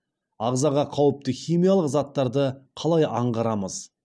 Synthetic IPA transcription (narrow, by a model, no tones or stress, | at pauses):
ɑʁzɑʁɑqʰɑwəp̚t̪əχʲijmijalˠəqzɑt̪ːɑɾd̪əqʰɑlˠɑjɑɴʁɑɾɑməz̥